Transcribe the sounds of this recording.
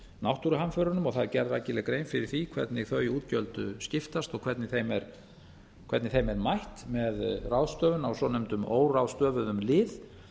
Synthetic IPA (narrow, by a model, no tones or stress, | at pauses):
nawht̪uɾʏɦanfœɾanʏmɔɣθaðcɛɾðajcɪlɛkɾejnfɪɾɪɾ̥θikʰvɛ̰ɾt̪nɪɣθœɥiuːt̪̚cœlt̪ʏscɪft̪ast̪ɔkʰvɛɾt̪nɪθejmɛɾ̥ | kʰvɛɾt̪nɪθejmɛɾmajht̪mɛðrawðst̪œːvʏnawsɔnʏmt̪ʏmo̰ːwrawst̪œːvʏðʏmlɪːð